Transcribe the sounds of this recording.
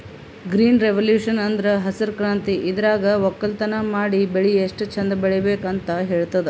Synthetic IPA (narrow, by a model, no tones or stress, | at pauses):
ɡɾiːnɾeʋɐljuːʂɐnɐnd̪ɐɾɐɦɐsɐɾkɾaːnt̪iʔid̪ɐɾaːɡɐʋɔkːɐlt̪ɐnɐmaːɽibeɭieʂʈt͡ʃʰɐnd̪ɐbeɭɛbeːkɐnt̪ɐɦeːɭt̪ɐd̪e